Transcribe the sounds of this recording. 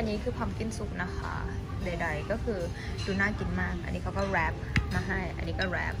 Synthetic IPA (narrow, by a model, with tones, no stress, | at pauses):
a˧ɲiː˨˦kʰɯː˧˩pʰa˨˧˩mki˧nsu˨˩k̚na˧˦xʰɔ̰ː˧˩˦ | ɗa˨˩da˧˩jkɔː˦˥kʰɯː˧˩ | du˨˧˦naː˧˩t͡ɕi˧˩ŋmaː˧˩k̚ʔa̰˧nːiː˧˥kʰa˧˩wkɔː˧˥˩ɾɛː˧˥p̚maː˧˩ɦa˧˥˩jʔa̰˧nːiː˧˦kɔː˧˩ɾɛ̰ː˧˩p̚